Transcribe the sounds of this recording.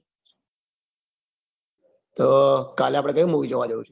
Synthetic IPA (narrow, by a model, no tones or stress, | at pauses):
t̪oːkaleapɽ̃ekəũmoɡid͡ʒoʋad͡ʒoũt͡ʃʰe